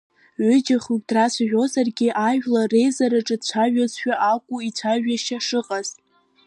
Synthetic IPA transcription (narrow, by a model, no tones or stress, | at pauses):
ɥʏd͡ʒɪχukʲʼdrasʷʰaʕʷᶣo̞zarɡʲiɪʔaʒᶣlare̞jzaɾaʈ͡ʂʼɨdt͡ɕʷʰaʒᶣazʃᶣaʔakʷʼuit͡ɕʷʰaʒaʃaʂɨqʼaz̥tʼ